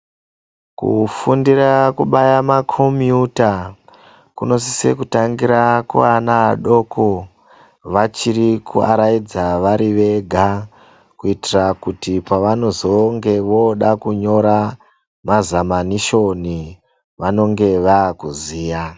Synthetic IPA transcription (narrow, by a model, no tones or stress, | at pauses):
kṵfundiɾakuɓajamakʰomjuta | kuno̞s̬ise̞̰kutaŋɡiɾakṵanaɗo̞ko | ʋat͡ʃiɾikʰua̰ɾajid͡zaʋaɾiʋe̞ɡʱa | kuitirakutipaʋano̞zo̞ŋɡe̞ʋo̞ɗakuɲo̞ɾa | mazamaniʃo̞ni | ʋano̞ŋɡe̞ʋaːkuziːja